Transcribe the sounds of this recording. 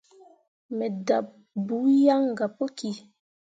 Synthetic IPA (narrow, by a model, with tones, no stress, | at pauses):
mɛ˨da˨p̚ | bu˨˦ja˦ŋ˨ɡa˨po˦ki˨